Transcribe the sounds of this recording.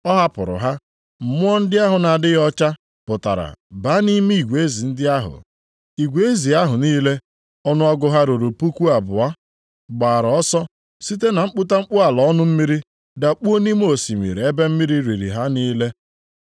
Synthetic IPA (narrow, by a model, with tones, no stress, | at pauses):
ɔ˦ɦa˦pʊ̰˨ɾʊ̰˨ɦa˦ | m̩˨mʊ˦ɔ˦n̩˦dɪ˦a˦ɦʊ˨na˨dɪ˦ɣɔ˦t͡ʃa˦ | pʊ˨ta̰˨ɾa̰˨ba˨˦ni˦mi˦i˨ɡʷe˦zi˨n̩˦dɪ˦a˦ɦʊ̰˨ | i˨ɡʷe˨˦e˦zi˨a˦ɦʊ˨niː˦le˦ | ɔ˦nʊ˦ɔ˦ɡʊ˦ɦa˦ɾo˨ɾo˨pu˦kʷu˦a˨bʊ˨a˦ | ɡ͡ba˨ɾɔ˦sɔ˦ | si˦t̬e˦na˨ŋ͡m̩˦k͡pu˦ta˦ŋ͡m̩˦k͡pu˦a˨lɔ˨ɔ˦nʊ˦m̩˦mi˦ɾi˦ | da˨k͡pu˦o˦ni˦m˦o˨si˨ŋʷḭ˨ɾe˨e˦be˦m̩˦mi˦ɾi˦ɾi˨ɾḭ˨ɦa˦niː˦le˦